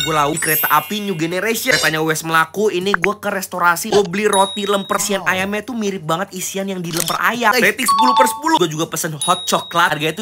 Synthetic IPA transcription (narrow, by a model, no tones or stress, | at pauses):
ɡualaukəɾet̪aʔapiɲuɡeneɾesit̪aɲawɛsməlakuiniɡuakəɾɛst̪oɾasiobliɾot̪iləmpəsianajamat̪umiɾɪp̚baŋət̪̚isianjaŋdiləmpəra̰jaɛt̪isə̥puluhpərsə̥pulʊuad͡ʒuɡapəsənhɔt̪̚t͡ʃɔkːlarɡat̪u